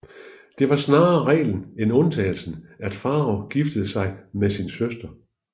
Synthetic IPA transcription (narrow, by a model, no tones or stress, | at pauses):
d̥e̝ʋɑ̈snɑ̈ːɐʁɛ̰ːln̩enɔ̽nt͡sʰɛːl̩sn̩æd̥fɑ̈ːɒɡ̥ifd̥əð̞̩ˠsɑ̈ɪmesinsøsd̥ɐ